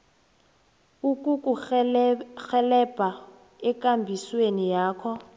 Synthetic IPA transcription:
ukʼukʼu | xɛlɛb̥ʱa | ɛkʼambʱiswenijaːkʰɔ

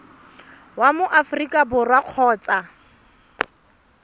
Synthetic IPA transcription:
wamʊʔafrikʼabʊrwaq͡χʰɔːt͡sʼa

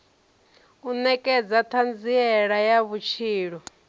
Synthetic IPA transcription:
unɛkʼɛd͡zat̪ʰand͡ziɛɺajaβut͡ʃʰiːɺɔ

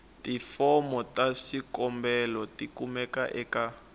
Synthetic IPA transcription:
tifɔmɔtaʃikɔmbɛlɔtikumɛkaʔɛka

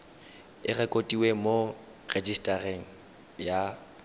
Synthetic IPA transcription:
ɪrɛkʼotʼiwemo | red͡ʒistʼareŋ̩ | ja

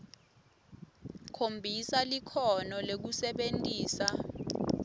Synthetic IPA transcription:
kʰombʱisalikʰɔnɔlek̬usɛɓentʼiːsa

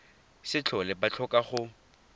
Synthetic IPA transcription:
sɪt͡ɬʰɔlɛbat͡ɬʰɔkʼaχʊ

